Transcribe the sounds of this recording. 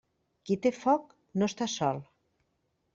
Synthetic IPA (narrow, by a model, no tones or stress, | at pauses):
kit̪efɔk | nost̪asɔlˠ